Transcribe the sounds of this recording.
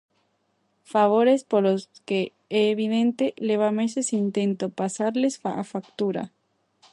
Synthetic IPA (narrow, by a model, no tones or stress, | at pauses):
faβ̞oɾespoɾloske | eːβiðent̪eleβamesesint̪ent̪opasaɾlesfaafakt̪uɾa̰